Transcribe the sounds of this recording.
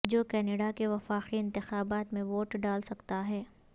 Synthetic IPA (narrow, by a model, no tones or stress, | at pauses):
d͡ʒoːkɛːneɖakeʋɐfaːqiɪ̃nt̪ɪxaːbaːt̪mẽʋoːʈɖaːlsɐkt̪aɦɛː